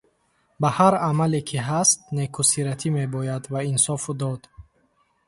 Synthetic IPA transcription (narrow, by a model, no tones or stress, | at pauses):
bahaɾamalekʰiɦast̪̚nekʰusiɾat̪ʰime̞bɔjad̪vainsɔfud̪ɔd̪